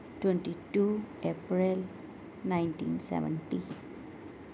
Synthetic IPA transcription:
ʈwɛ̃nʈiʈuepɾil | nãɪnʈḭ̃nsɛ̰ʋə̰̃nʈi

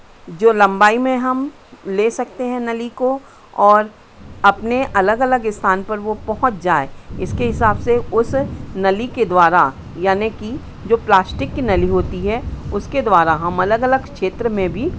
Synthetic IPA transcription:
d͡ʒoːlɐ̃mbaːimẽɦɐm | leːsɐk̚t̪eɦɛ̃nɐliko | ɔːɾ | ɐpneʔɐləɡɐləɡɪst̪ʰaːnpɐɾʋopɐɦʊt͡ʃd͡ʒaːeɪskeɦɪsaːbseʊsnɐliked̪waːɾa | jaːneki | d͡ʒoːplaːsʈɪkːinɐliɦoːt̪iɦɛʊsked̪waːɾaɦɐmɐləɡɐləɡkʃeːt̪ɾəmẽbʱi

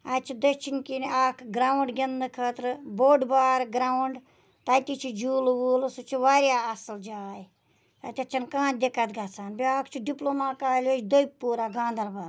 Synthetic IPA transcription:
aːt͡ʃʰid̪ɐt͡ʃʰinkinaːkʰɡɾaːwuɳɖɡʲɐnd̪ɨkʰɐːt̪ɾboːɖbaːɾɡɾaːuɳɖ | t̪aːt̪ʲit͡ʃʰid͡ʒuːlʋuːlsut͡ʃʰiʋaːɾjaːɐsld͡ʒaːji | t̪a̰t̪ʲɐt͡ʃʰɐnkãːt͡ʃ̚d̪ʲekat̪ɡaːsaːnbiaːkʰt͡ʃʰiɖiploːmaːkaːlʲot͡ʃʰd̪ojppːuːɾaɡãːnd̪ɐɾbaːɾ

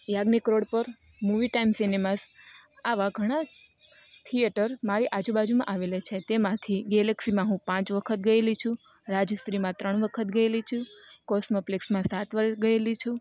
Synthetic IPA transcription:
jaɡnikɾoɽpəɾ | muʋiʈaimsinemas | aʋaɡʱəɽ̃a | t̪ʰijeʈəɾmaɾiʔad͡ʒubad͡ʒumãʔaʋelet͡ʃʰet̪emãt̪ʰiɡeləksimãɦũpãt͡ʃʋəkʰət̪̚ɡəelit͡ʃʰũ | ɾad͡ʒst̪ɾimãt̪ɾəɳʋəkʰət̪ɡəelit͡ʃʰũkɔsməpleksmãsat̪ʋəɡəelit͡ʃʰũ

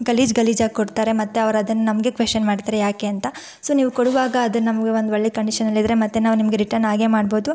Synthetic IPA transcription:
ɡɐliːd͡ʒɡɐliːd͡ʒaːɡkoɽt̪aːɾe̞mɐt̪ːeɐʋɐɾɐd̪ɐnːunɐmɐɡe̞kʋesʈɐnmaːɖt̪aːɾejaːke̞ɐnt̪ɐ | soːniːʋukoɽuʋaːɡɐːd̪ɐnnɐmɐɡeʋond̪uʋɐɭːekɐɳɖiʃɐnɐlːid̪ɐɾe̞mɐt̪ːenaːʋunimɐɡeɾiʈɐɾnaːɡe̞ːmaːɖbo̞ːd̪u

